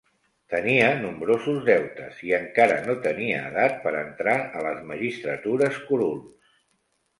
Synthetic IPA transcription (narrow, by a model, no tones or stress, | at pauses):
t̪əniənumbɾozuzðɛwt̪əsiəŋkaɾə̰not̪əniəːðat̪̚pəɾənt̪ɾaələzməʒist̪ɾət̪uɾəskuɾuls